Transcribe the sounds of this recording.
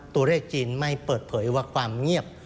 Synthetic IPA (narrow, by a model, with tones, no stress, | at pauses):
t̪u˧ɐɾeː˥˩k̚t͡ɕiː˧nma˥˩jpɤː˨˩t̪̚pʰɤː˩˦jwaː˥˩kʰwaː˧mŋi˥˩əp̚